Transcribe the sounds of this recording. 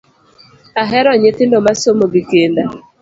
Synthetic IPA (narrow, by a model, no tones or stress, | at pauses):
aɦɛɾɔɲetɪndomasomoɡɪkenda